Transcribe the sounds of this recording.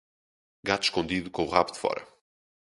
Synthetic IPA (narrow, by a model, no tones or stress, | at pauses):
ɡat̪u̥ʃkõnd̪iðukõuʁaβðɨfɔ̰ɾɐ̰